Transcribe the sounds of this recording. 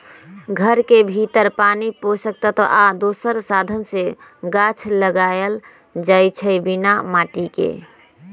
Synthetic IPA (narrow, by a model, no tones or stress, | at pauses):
ɡʱəɾkebʱit̪əɾpaniposək̚t̪ət̪əʔad̪osəɾsad̪ʱənseɡat͡ʃʰləɡajl | d͡ʒajt͡ʃʰəbinamaʈikḛ